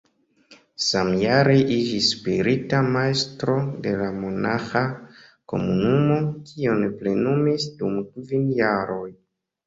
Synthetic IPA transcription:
samjaɾeʔid͡ʒisːpiɾitamaestɾo̞de̞lamo̞naxako̞̰munumo̞kʰio̞neple̞numisdumkvinjaɾo̞j

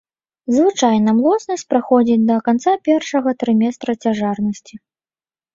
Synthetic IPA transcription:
zvɨt͡ʂajnɐmlˠɔt̪snɐsʲt͡sʲpɾaxɔd͡zʲid͡zʲd̪ɐkant̪sapʲɛrʂɐɣɐt̪ɾɨmʲɛst̪ɾɐt͡sʲaʐarnɐsʲt͡sʲi

